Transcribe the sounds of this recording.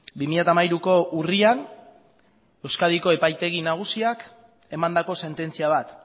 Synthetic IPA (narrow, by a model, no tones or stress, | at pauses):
bimiʎat̪amajɾuko̞ʔurian | e̞wskað̞iko̞e̞pajt̪e̞ɣ̞inaɣ̞usiak | e̞mand̪ako̞se̞nt̪e̞nt͡siaβ̞at̪